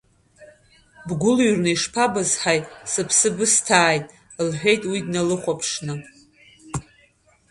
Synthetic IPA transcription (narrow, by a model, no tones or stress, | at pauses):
bɡʷʊlɥrnɨiʂpʰabazħajʼsɨpʰsɨbɨstʰaːjtʼ | lħᶣʷe̞jtʼwidnalɨχʷapʰʂnɨ